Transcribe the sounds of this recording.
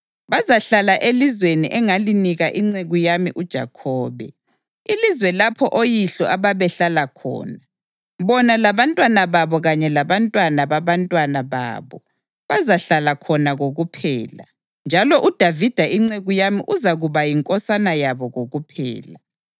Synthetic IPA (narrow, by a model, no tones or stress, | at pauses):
βazaɬalaʔelizweniʔɛŋaliniɣaʔiŋ͡ǀeɣujamiʔud̥ʒ̥ʱa̰kʰɔːβɛ̰ | ilizwɛlapʰɔʔojiɬɔaβaβɛɬalakʰɔ̰ːna | βɔnalaβantʼwanaβaβɔɣaɲɛlaβantʼwanaβaβantʼwanaβa̰ːβɔ | βazaɬalakʰɔnaɣoɣupʰɛ̰ːla | nd͡ʒʱalɔʔud̥ʱavid̥ʱaiŋ͡ǀeɣujamḭʔuzaɣuβajiŋkʼɔsanajaβɔɣoɣupʰɛ̰ːla